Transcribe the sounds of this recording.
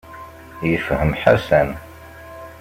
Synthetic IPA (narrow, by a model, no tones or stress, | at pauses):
jəfhəmħasæn